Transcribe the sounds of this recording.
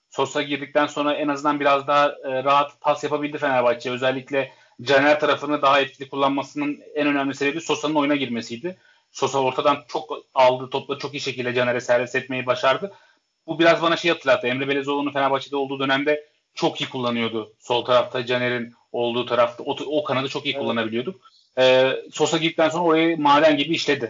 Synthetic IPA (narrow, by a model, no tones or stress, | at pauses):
so̞saɟiɾd̪ic̚t̪ʰænso̞nɾaɛnazɯnd̪anbiɾazd̪aɦːɾaɦat̪pʰasjapʰabilʲd̪ife̞næɾbat͡ʃʰiø̞zɛlʲːiclʲɛ | d͡ʒanæɾt̪ʰaɾafɯnɯnd̪aɦaɛt̪cʰilʲikʰulˠːanmasɯnɯnænø̞næmlʲisiɾed̪iso̞sanɯnojunaɟiɾmesijd̪ɪ | so̞sao̞ɾt̪ʰad̪ant͡ʃʰo̞kalˠd̪ɯt̪ʰo̞plˠaɾɯt͡ʃʰo̞kiːiʃe̞cilʲd̪ɛd͡ʒaneɾɛsæɾvɛsɛt̪̚me̞jɛbaʃaɾd̪ɯ | bubiɾazbanaʃejihat̪ɯlʲˠːat̪ʰːɯɛmɾɛbe̞lʲezo̞lˠununfe̞nabat͡ʃʰid̪o̞lˠd̪uːd̪ø̞næmd̪ɛ | t͡ʃʰo̞kijikʰulˠːanɯjo̞d̪ʊso̞lˠt̪ʰaɾaft̪ʰad͡ʒaneɾin | o̞lˠd̪uːt̪ʰaɾaft̪ʰaookʰanad̪ɯt͡ʃʰo̞kijikʰulˠːanabilʲijo̞d̪uk̚ | ɛːso̞saɟid̪ic̚t̪ænso̞nɾao̞ɾajamaːd̪æmɟibiːʃlʲe̞d̪ɪ